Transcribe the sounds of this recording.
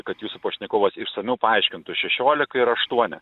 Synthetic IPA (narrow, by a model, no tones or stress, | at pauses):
kɐt̪juːsʊpɐʃʲnʲɪkoːʋɐsɪʃsɐmʲɛʊpɐɐɪʃʲkʲɪnt̪ʊʃʲɛʃʲoːlʲɪkɐɪɾɐʃt̪uɔnʲɪ̰